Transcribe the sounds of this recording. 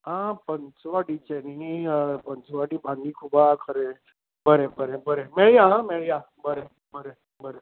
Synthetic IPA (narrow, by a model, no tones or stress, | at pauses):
ɦãpənt͡sʋaʈit͡ɕenipənt͡sʋaɽibʱãnd̪ikʰubakʰəɾe | bəɾebəɾebəɾemeɭijaɦãmeɭja | bəɾe | bəɾe | bəɾe